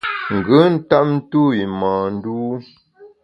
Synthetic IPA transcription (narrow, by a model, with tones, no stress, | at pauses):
ŋ̩˨ɡə˦n̩˦ta˦p̚n̩˦tu˦i˨maː˨n̩˦duː˦